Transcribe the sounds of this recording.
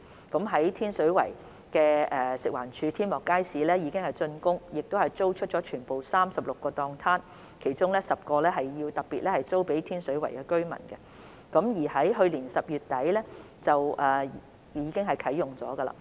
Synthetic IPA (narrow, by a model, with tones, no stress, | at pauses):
kɐ˨˥mɦɐ˨˥jt̪ʰiː˥nsɵ˨˥ɥwɐ˨˩j | kɛː˧ɛː˨sɪ˨k̚waː˨˩nt͡ʃʰyː˨˧t̪ʰiː˥nmɔː˨˩kːaː˥jsiː˨˥lɛː˥jiː˨˧kɪ˥ŋhɐ˨jt͡sɵ˧nkʊ˥ŋjɪ˨k̚t̪o˥whɐ˨jt͡so˥wt͡ʃʰɵ˥t̚t͡ʃɔː˨˥t͡ʃʰyː˨˩npo˨wsaː˥msɐ˨p̚lʊ˨kːɔː˧t̪ɔː˧ŋt̪ʰaː˥n | kʰe˨˩jt͡sʊ˥ŋlɛː˥sɐ˨p̚kɔː˧lɛː˥ɦɐ˨jjiː˧wt̪ɐ˨˩k̚piː˨t̚lɛː˥hɐ˨jt͡so˥wpe˨˥jt̪ʰiː˥nsɵ˨˥ɥwɐ˨˩jkɛ˧kɵ˥ɥmɐ̰˨˩nkɛ˧ | kɐ˨˥mjiː˨˩hɐ˨˥jɦɵ˧ɥliː˨˩nsɐ˨p̚jyː˨t̚t̪ɐ˨˥jlɛː˥ | t͡sɐ˨wʔɛː˨˩ | jiː˨˧kɪ˥ŋɦɐ˨˩jkʰɐ˨˥jːʊ˨˩ŋt͡sɔ̰ː˨˥ɡɐ˧la̰ː˨